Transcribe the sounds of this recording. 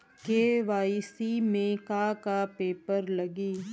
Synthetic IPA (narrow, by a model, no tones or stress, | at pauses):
keːʋaːisimẽkakapeːpəɾlɐɡiː